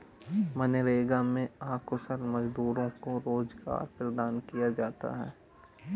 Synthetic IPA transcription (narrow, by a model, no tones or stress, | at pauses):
mɐneɾeːɡamẽaːkʰʊsəlmɐd͡ʒd̪uːɾõkoɾoːd͡ʒɡa̰ːɾpɾəd̪aːnkijad͡ʒaːt̪a̰ɦɛ̰ː